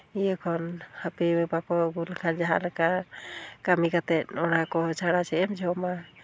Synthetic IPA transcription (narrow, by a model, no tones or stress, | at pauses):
iɛkʰɔnhapɛbɛbakɔɡulkʰand͡ʒaɦa̰laka | kamikat̪ɛt̪̚ɔnakɔt͡ʃʰaɽat͡ʃɛɛmd͡ʒɔma